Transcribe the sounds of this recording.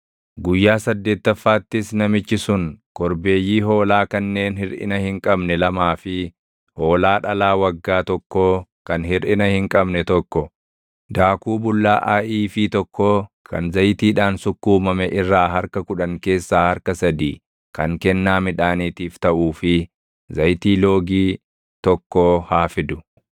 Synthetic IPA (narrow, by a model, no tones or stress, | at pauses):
ɡʊjːaːsɐd̪ːe̞ːt̪ːɐfːaːt̪ːɪsnɐmɪt͡ʃːɪsʊŋkɔɾbe̞ːjːiːɦo̞ːlaːkɐnːe̞ːnhɪɾʔɪ̰nɐhɪŋkʼɐbnɛlɐmaːfɪ | hoːlaːᶑɐlaːwɐɡːaːt̪ɔkːoːkɐnhɪɾʔɪnɐhɪŋkʼɐbnɛt̪ɔkːɔ | d̪aːkuːbʊlːaːʔaʔiːfɪt̪ɔkʰːoːkʰɐnzɐjt̪iːᶑaːnsʊkːuːmɐmɛʔɪrːaːɦɐɾkɐkʊᶑɐŋke̞ːsːaːhɐɾkɐsɐd̪iː | kɐŋkɛnːaːmɪᶑaːniːt̪iːft̪ɐʔuːfɪ | zɐjt̪iːlo̞ːɡiː | t̪ɔkːoːhaːfɪd̪ʊ